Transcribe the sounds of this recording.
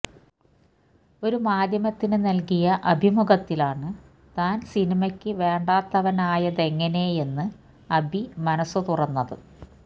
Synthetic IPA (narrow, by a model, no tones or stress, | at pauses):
o̞ɾumaːd̪ʱjɐmɐt̪ːinɨnɐlkijɐʔɐbʱimuɣɐt̪ːilaːɳɨ | t̪aːnsinimɐkʲːɨʋe̞ːɳɖaːt̪ːɐʋɐnaːjɐðe̞ŋːɐne̞je̞nːɨ | ɐbʱimɐnɐsːut̪urɐnːɐðɨ̰